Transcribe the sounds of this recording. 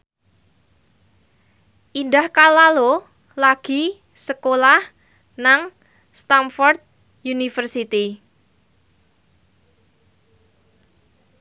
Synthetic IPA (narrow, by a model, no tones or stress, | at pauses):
ʔindahkalalo | laɡ̥i̤ | səkolah | naŋ | st̪amfɔrt̪̚ | junifərsit̪i